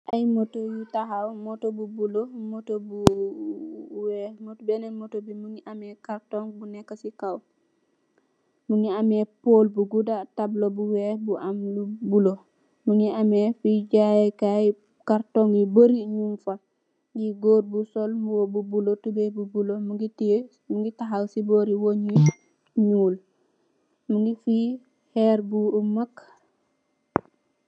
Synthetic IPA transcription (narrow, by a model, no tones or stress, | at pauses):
ʔajmotojutaɦawmɔtobubulomotobu | wɛmotbɛnɛmotobimuŋiʔamɛkaɾtɔŋbunɛkːasikaw | muŋiamɛpolbuɡudatablobuwɛbuʔamlubulo | muŋiamɛfiɟajekaj | kaɾtoŋjiboɾiɲumfa | ɡiɡoːd̚busolmuwobubulotubebubulomuɡii | muŋɡitaɦawsiboɾiwoɲi | ɲuːl | muŋɡifi | hɛɾbuumak